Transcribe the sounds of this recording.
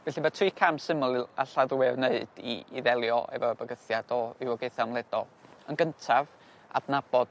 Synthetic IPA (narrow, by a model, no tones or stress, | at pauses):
vɛɬimatʰriːkʰamsɪmɔlˠaɬaðwɛvneɨd̥ḭːðɛlˠjɔ̰ʔɛ̰vɔbəɡəθjad̥ɔɪwɔɡeɨθamlˠɛdɔlˠənɡəntʰav | a̰dnab̥ɔd̥